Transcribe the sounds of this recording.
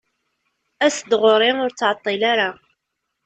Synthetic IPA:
æsd̪ʁʊɾˤɪŋʊɾt͡sːʕɑt̪ˤːilaɾa

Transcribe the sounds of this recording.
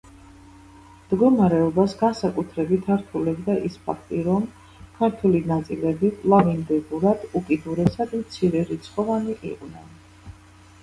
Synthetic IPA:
md̪ɡɔmaɾɛɔbasɡansakʼut̪ʰɾɛbit̪ʰaɾt̪ʰulɛbd̪aʔispʰa̰k̚ʰt̪ʼiɾɔm | kʰaɾt̪ʰwɛlinat̪sʼilɛbilˠavind̪ɛbuɾad̪̥ukʼid̪uɾɛsad̪mt̪sʰiɾɛɾit̪sʰχʼɔvaniʔḭqʼnɛn

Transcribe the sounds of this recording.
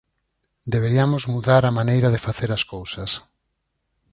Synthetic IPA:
d̪eβeɾiamʊzmuðaɾamanejɾaðɪfaθeɾaskowsɐs

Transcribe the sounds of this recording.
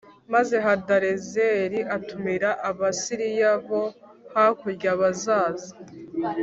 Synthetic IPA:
maze̞ɦadaɾezeɾiʔatumiɾaʔaβasiɾijaβo̞ | hakuɾɟaβazaːza

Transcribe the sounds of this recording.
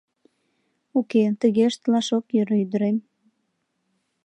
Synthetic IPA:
uket̪əɣeʃt̪lɑʃokjøɾyd̪əɾem

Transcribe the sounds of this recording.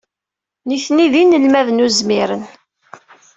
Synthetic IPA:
niθniðinəlmæðənuzmiɾən

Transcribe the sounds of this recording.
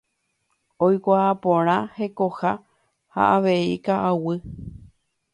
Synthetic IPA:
ojkʷaːpõɾ̃ãhe̞koha | ha̰ʔaʋe̞ikaʔawɨ

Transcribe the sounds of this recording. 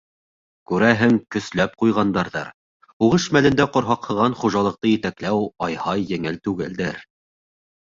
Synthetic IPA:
kʉɾæɦɘŋkɵ̆slæp̚qujʁɑnd̪ɑɾðɑ̰ɾ | uʁɤʃmælɘ̆nd̪æqŏɾɦɑqhɤ̆ʁɑnχuʒɑlˠɤ̆q̚t̪ɤjɘ̆t̪æklæwɑjhɑjːɘ̆ŋɘlt̪ʉɡɘld̪ɘɾ

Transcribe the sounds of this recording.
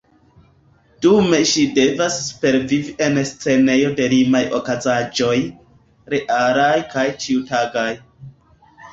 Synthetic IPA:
d̥ume̞ʃide̞vaspe̞ɾviviʔe̞nst͡se̞ne̞jo̞de̞ɾimajo̰kazad͡ʒo̞j | ɾeʔaɾajkajt͡ʃiutaɡaj

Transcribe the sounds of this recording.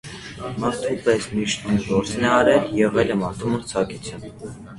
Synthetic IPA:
mɑɾt̪ʰupɛsmiʃt̪unɡɔɾt͡snɛɑɾɛljɛʁɛlɛmɑɾt̪ʰuməɾt͡sʰɑkut͡sʰjɑnb

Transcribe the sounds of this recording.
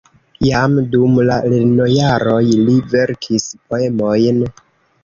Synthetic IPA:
jamdumlalino̞jaɾo̞jlive̞ɾkʰispo̞e̞mo̞jn

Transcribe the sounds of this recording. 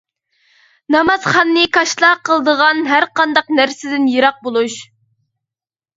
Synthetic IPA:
nɑmɑz̥χɑnːɨkʰɑʃlˠɑqəlˠəd̪əʁɑnɦæɾqɑnd̪ɑqnæɾsɪd̪ɪnjeɾɑq̚bolˠuʃ

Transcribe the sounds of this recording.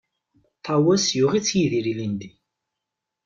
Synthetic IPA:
t̪ˤʰːɑwæsjʊʁit͡sːjiðiɾilind̪i

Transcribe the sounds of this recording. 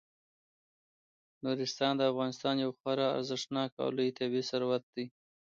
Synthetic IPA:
nuɾɪst̪ɑnd̪əafɣɑnɪst̪ɑnjawxwɑɾɑa̰ɾzəʂnɑkɑ̰lujt̪ʰabesaɾwat̪̚d̪i

